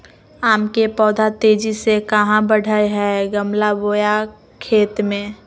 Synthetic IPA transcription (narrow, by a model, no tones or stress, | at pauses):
aːmkepɔːd̪ʱat̪eːd͡ʒisekəɦãbəɽ̤ʱəjɦɛɡəmlaboːja | kʰeːt̪mẽː